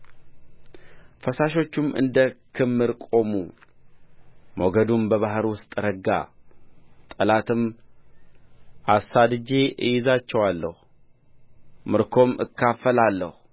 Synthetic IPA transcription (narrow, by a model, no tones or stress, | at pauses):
fəsaʃo̞t͡ʃːumʔɨ̰nd̪əkʰɨmːɨɾkʼo̞mu | mo̰ɡəd̪umbəβaɦɾwʊst̪ʼɾəɡːa̰ | t̪ʼəlat̪ʰɨm | ʔasad̪ɨd͡ʒe̞ʔɨjɪzat͡ʃːɛwalːə̰hu | mɨɾkʰo̞mʔɨ̰kʰːafəlalːə̰hu